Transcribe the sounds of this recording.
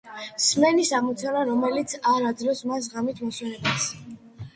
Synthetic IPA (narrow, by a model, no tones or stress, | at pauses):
smɛnisamut̪sʰanaɾɔmɛlit̪sʰaɾad̪zlɔsmas̬ʁamit̪ʰmɔswɛnɛbas